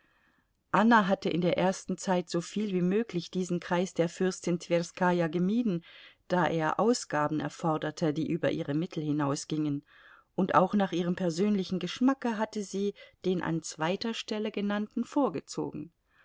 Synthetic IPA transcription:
ʔanaɦatəʔɪ̰ndeːɐʔeːɐstn̩t͡saɪtz̥ofiːlviːmøːklɪçd̥iːzn̩kʁ̥aɪsd̥eːɐfʏɐstɪntʰv̥eʁskaːjaɡəmiːdn̩d̥aːʔeːɐʔaʊsɡ̥aːbn̩ɛ̰ɐfɔɐdɐtʰədiːʔyːbɐ̰ʔiːʁəmɪtʰl̩hɪnaʊsɡ̥ɪŋən | ʔʊntʔa̰ʊxnaːχʔiːʁ̞əmpʰɛɐzøːnlɪçn̩ɡəʃmakəɦatəziːd̥eːnʔa̰nt͡sv̥aɪtɐʃtɛləɡənantn̩foːɐɡət͡so̰ːɡŋ̩

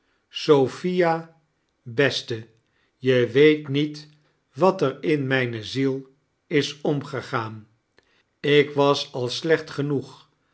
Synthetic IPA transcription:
sowfija | bɛstə | jəʋejtnit | ʋɑtərɪnmɛjnəzilˠ | ɪsɔmχəχaːn | ɪkʋɑsɑlˠslɛχtχənuχ

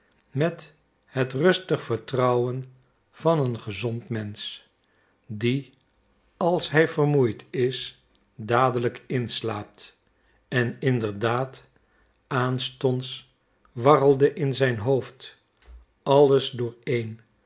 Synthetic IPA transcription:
mɛt | hətrɵstəχfəɹtrʌwən | v̥ɑnənχəzɔntmɛns | di | ɑlˠsɦɛjvərmujtɪs | daːdələkɪnslaːp̚t | ɛnɪndəɹdaːt | aːnstɔns | ʋɑrəlˠdəʔɪnzɛjnɦowft | ɑlˠəzdʊːɹejn

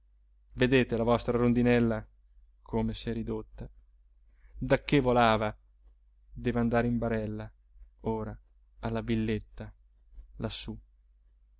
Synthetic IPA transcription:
ved̪eːt̪elavɔst̪ɾaɾond̪inɛlːa | kʰomesɛɾid̪ot̪ːa | d̪akːevolaːva | d̪evand̪aːɾimbaɾɛlːa | oːɾa | alːavilːet̪ːa | lʔasːu

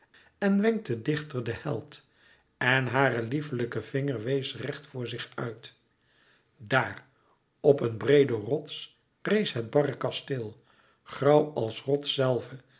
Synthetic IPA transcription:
ɛnʋɛŋk̚tədɪχtərdəhɛ̰lˠt | ɛnɦaːrəlifələkəv̥ɪŋəɹʋejsrɛχtfʊːɹzɪχœɥt | daːr | ɔpənbrejdərɔts | rejsɦəd̚bɑrəkɑstɪlˠ | χrɑwɑlˠsrɔtsɛlˠvə

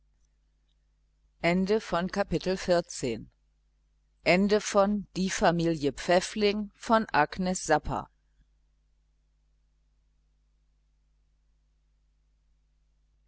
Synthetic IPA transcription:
ʔɛndəfɔnkʰapɪtl̩fɪɐt͡sḛːn | ʔɛndəfɔnd̥iːfamiːljəp͡fɛflɪŋfɔnʔaɡnɛsz̥apʰɐ̰

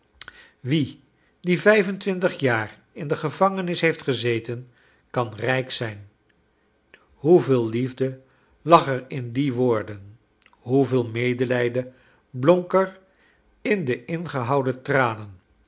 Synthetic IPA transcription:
ʋi | divɛjvəntʋɪntəχjaːr | ɪndəχəvɑŋənɪsɦejftχəzejtən | kɑnrɛjksɛjn | ɦuvɪːlˠlivdə | lɑχəɹɪndiʋʊːɹdən | ɦuvɪːlˠmejdəlɛjdə | blɔŋkəɹ | ɪndəʔɪnχəɦɑwdətraːnən

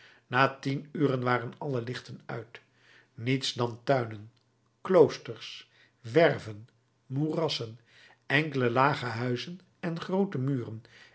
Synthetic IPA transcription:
naːtinyːrənʋaːrənɑləlɪχtənœ̰ɥt | nitsdɑntœɥnən | klowstəɹs | ʋɛrvən | murɑsən | ɛŋkələlaːχəɦœɥzən | ɛnχrowtəmyːrən

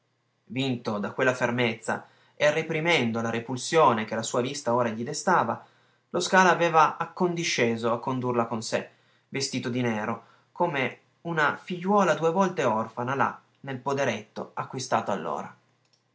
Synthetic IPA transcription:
vint̪od̪akwelːafermet̪sːa̰ | earepɾimɛnd̪olaɾepulsjoːnek̟elasuːavist̪aoːɾaʎid̪est̪aːva | loskaːlaːveːvaakːond̪iʃːeːzoakːond̪urlakonse | vest̪iːt̪od̪inɛːɾo | kome | unafiʎːwɔːlad̪uːevɔlt̪eɔrfanala̰ | nelpod̪eɾet̪ːo̰akːwist̪aːt̪oa̰lːo̰ːɾa

